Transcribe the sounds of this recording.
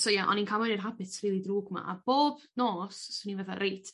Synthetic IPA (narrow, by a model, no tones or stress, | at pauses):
sojaʔɔ̰ninkʰamɛnɛrɦabɪθriːlˠidruːɡma̰ʔa̰b̥oːb | noːsːoninvɛθa̰ɾʔejtʰ